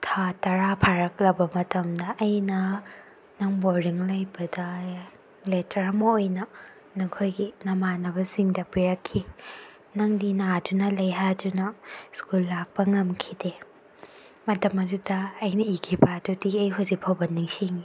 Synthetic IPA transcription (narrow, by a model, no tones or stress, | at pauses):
tʰatɐɾapʰaɾɐklɐbɐmɐtɐmdɐʔːjnɐ | nɐŋboɾiŋlɐjbɐdɐ | letɐɾɐmɐojnɐ | nokʰojɡinɐmanɐbɐsiŋdɐpiɾɐkʰːi | nɐŋdinadunɐlɐjɦadunɐskulːak̚pɐŋɐmkʰide | mɐtɐmɐdudɐːjnɐikʰibadudiɐjɦuzik̚pʰɐwbɐniŋsiŋi